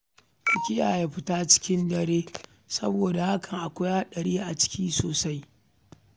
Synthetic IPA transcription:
kʷʊ˨kʲɪ˦jaː˨ja˨ɸɪ˦taː˦t͡ʃɪ̥˦kʲɪ˦ndɐ˨ɽeː˦ | sɐ̰˦boː˨da˨ha˦kʰɐ˨ŋʔa˨kʷʊ˦jaː˦ɗɐ˨ɽiː˦ʔa˨t͡ʃɪ̥˦kʲiː˦soː˨sa˦j

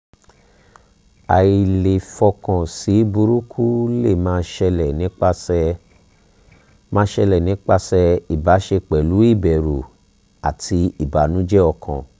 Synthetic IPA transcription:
a̰˨i˨˧˨le˨fɔ˧kɔ̃˨si˨˦bu˧ɾu˦kʰu˦le˦˨mãː˦ʃɛ˧lɛ˨nĩ˨˦k͡pa˦˧ | mãː˦ʃɛ˧lɛ˨nĩ˨˦k͡pa˧sɛ˧i˨ba˨˦ʃe˧k͡pɛ˨lu˨˦i˦˨bɛ˨ɾu˨ | a˨tʰi˧i˨ba˨˦nũ˨˦d͡ʒɛ˦ɔ˧kʰɔ̰̃˨

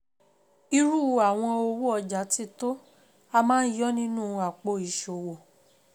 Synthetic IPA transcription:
i˧ɾu˦˨a˨w̃ɔ̃˧o˧wo˦ɔ˧d͡ʒa˨˦ti˦to˦ | a˧mãː˦n̩˦jɔ˦nĩ˦nũ˦˨a˨k͡po˧i˨ʃo˨wo˨

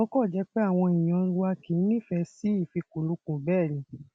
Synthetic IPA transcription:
õ˦kɔ˦˨d͡ʒɛ˨˦k͡pɛ˦a˦˨w̃ɔ̃˧i˨j̃ɔ̃˧wa˧ki˨˦nĩ˦˨fɛ˧si˦i˦˨fi˧ku˨lũ˨˦kũ˧˨bɛː˦˨ɾĩ˨

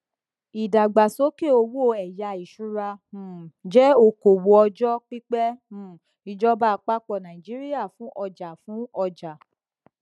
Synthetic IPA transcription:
i˨da˨ɡ͡ba˨so˨˦ke˦˨o˧wo˦˨ɛ˨ja˧i˨ʃu˨˦ɾã˧˦˨ | d͡ʒɛ˦o˧ko˨wo˧˦ɔ˧d͡ʒɔ˦k͡pi˦k͡pɛ̃˦˨ | i˧d͡ʒɔ˦ba˦˧k͡pa˦k͡pɔ˧˨nã˨ĩ˨d͡ʒi˨˦ɾi˦ja˦˨fũ˨˦ʔɔ˧d͡ʒa˨fũ˨˦ɔ˧d͡ʒa˨

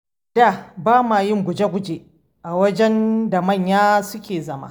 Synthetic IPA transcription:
d̥a˦˨baː˦maː˨jɪ˦ŋɡʷʊ˨d͡ʒe˦ɡʷʊ˦d͡ʒeː˨ | ʔa˨wɐ˦d͡ʒɛ˦nda˨mɐ˦˨ɲjaː˦sʊ˦kʲʰeː˨zɐ˦ma̰˦˨

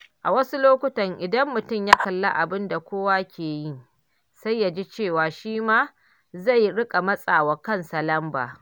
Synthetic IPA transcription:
ʔa˨wɐ˦su˦loː˦kʷʊ˦tɐ˨ŋʔɪ˨dɐ˦mːʊ˨tʊ˦˨mjaː˦kɐ˨lːa̰˦ʔa˨bɪ˦nda˨kʷoː˦wa˦kʲʰeː˨ji˦˨ŋ | sa˦jːa˨d͡ʒi˦t͡ʃeː˦˨waː˨ʃiː˦maː˦ | za˦˨jɽɪ˦kʼa˨mɐ˦sʼaː˨wɐ˨kɐ˦˨nsɐ˨lɐ˦mba̰ː˨

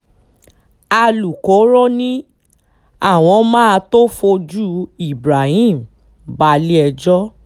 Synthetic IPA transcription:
a˧lu˨ko˨˦ɾɔ˦nĩ˦ | a˦˨w̃ɔ̃˧˦mã˦˧to˦fo˧d͡ʒu˦i˦˨bɾa˨hĩ˦˨m̩˨ | ba˧li˦ɛ˧d͡ʒɔ˦

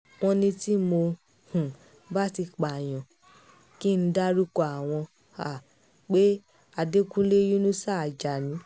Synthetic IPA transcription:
w̃ɔ̃˧nĩ˧ti˦mo˧ | hũ˨ | ba˦ti˧k͡pa˨j̃ɔ̃˨ | ki˦˨n̩˦da˦ɾu˦kɔ˦˨a˨w̃ɔ̃˧ | a˨ | k͡pe˦ | a˧de˦kũ˦le˦jo˦nũ˦sa˦˨d͡ʒa˨nĩ˨˦

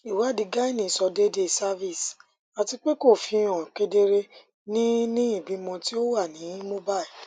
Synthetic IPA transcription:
i˨wa˨˦di˧ɡa˦i˦nĩ˨sɔ˧de˦de˦˨sa˦vi˦˨s | a˨ti˧k͡pe˦ko˦˨fĩ˧ɔ̃˨ke˧de˧ɾe˧ | nĩ˦nĩ˦i˦˨bĩ˨˧mɔ̃˧ti˦o˦wa˦˨nĩ˨˦ĩ˦mõ˦ba˦˨i˨

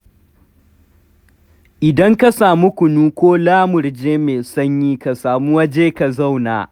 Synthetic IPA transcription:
ʔɪ˨dɐ˦ŋka˦saː˨mu˦kʷʊ˨nuː˦kʷoː˦laː˦mʊ˨rd͡ʒeː˦meː˨sɐ˦ɲjiː˦ka˨saː˨mu˦wɐ˦d͡ʒeː˦ka˨za˦˨wna̰ː˨

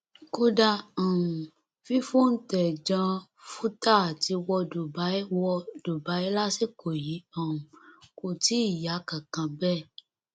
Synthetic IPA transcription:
ko˦da˧ɔ̃˨ũ˨ | fi˦fũ˦˨n̩˦tɛ˨d͡ʒã˧ | fu˦ta˦˨ti˨˧wɔ˧do˨ba˨˦wɔ˧d̥o˨ba˨˦i˦la˦si˦˨ko˨ji˨˦ɔ˦˨ũ˨ko˨ti˨˦i˦˨ja˨˦kã˨kã˧bɛ˦˨

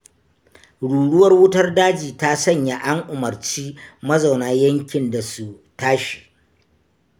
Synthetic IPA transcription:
ɽuː˨ɽʊ˦wɐ˦rwʊ˦tɐ˦rdaː˦d͡ʒiː˨ta˦sɐ˦˨ɲja˨ʔa˦ŋʔʊ˨mɐ˨rt͡ʃiː˦mɐ˦za˨wnaː˦jɐ˦ŋkʲɪ˨nda˨su˨ | taː˦ʃi̥˨

